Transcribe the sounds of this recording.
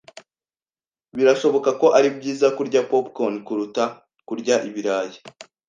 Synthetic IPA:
βiɾaʃo̞βo̞kako̞ʔaɾibɟiːzakuɾɟapopkonkuɾuta | kuɾɟaʔiβiɾaːje̥

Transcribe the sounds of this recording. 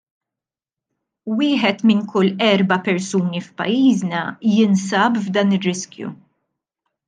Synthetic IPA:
wɪːħɛt̪mɪŋkʰʊlːɛɾbɐpɛɾsuːnifpɐ̰jːiːznɐjɪnsɐːbvd̪ɐːnɪrːɪskjṵ

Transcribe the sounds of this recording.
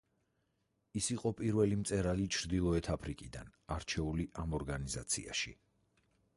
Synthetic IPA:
isiqʼɔpʼiɾvɛlimt̪sʼɛɾalit͡ʃʰɾd̪ilˠɔɛt̪ʰapʰɾikʼid̪a̰naɾt͡ʃʰɛuliʔamɔɾɡaniza̰t̪sʰḭa̰ʃḭ

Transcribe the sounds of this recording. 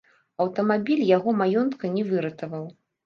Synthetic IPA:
ɐwt̪ɐmabʲilʲjaɣɔmajɔnt̪kɐnʲɛvɨɾɐt̪ɐvɐw

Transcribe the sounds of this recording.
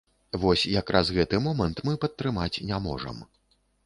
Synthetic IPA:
vɔsʲjakɾazɣɛt̪ɨmɔmɐnt̪mɨpɐt̪ːɾɨmat͡sʲnʲamɔ̰ʐɐ̰m

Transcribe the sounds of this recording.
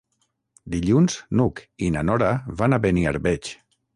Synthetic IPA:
d̪iʎunz̥nukinanɔɾaβanaβenia̰ɾβɛt͡ʃ

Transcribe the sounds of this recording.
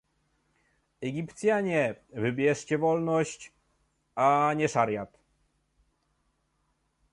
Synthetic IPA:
ɛɡʲipt̪sʲjaɲɛvɘbʲjɛʂt͡ɕɛvɔlnɔɕt͡ɕ | aɲɛʂaɾʲjat̪

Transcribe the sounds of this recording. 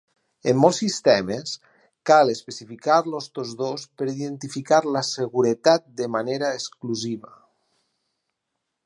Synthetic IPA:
emːɔlˠsːist̪ɛmes | kalespesifikaɾlost̪ozðospəɾiðent̪ifikaɾlaseɣuɾət̪at̪̚d̪əmaneɾaeskluziβa̰

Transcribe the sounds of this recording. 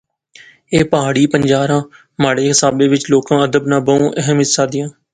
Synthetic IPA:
eːpəɦaːɽiːpəɲd͡ʒaːɾãː | maːɽeːɦɪsaːbeːʋɪt͡ʃloːkãːəd̪əbnãːbəũːʔəɦəmɪt̪saːd̪ɪjãː

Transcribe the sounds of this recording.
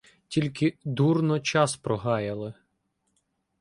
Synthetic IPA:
tʲilʲkɪd̪urnɔt͡ʃɑspɾɔɦɑjɐlˠɪ

